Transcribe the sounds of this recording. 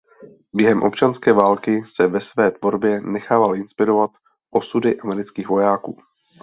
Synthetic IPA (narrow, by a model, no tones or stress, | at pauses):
bjɛɦɛmʔo̞̰pt͡ʃanskɛːvaːlkɪsɛvɛsvɛːt̪vo̞ɾbjɛnɛxaːvalʔɪnspɪɾo̞vat̪ | ʔo̞sudɪʔamɛɾɪt͡skiːxvo̞jaːkuː